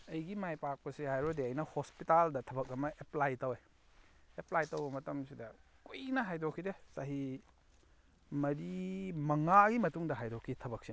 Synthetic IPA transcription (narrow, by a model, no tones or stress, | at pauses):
ɐjɡimajpak̚pɐsihajɾodeɐjnɐhospitaldɐtʰɐbɐk̚ɐmɐʔeplajtɐwe | eplajtɐwbɐmɐtɐmsidɐkujnɐɦajdokʰːidesaɦi | mɐɾimɐŋaɡimɐtuŋdɐɦajdokʰitʰɐbɐk̚si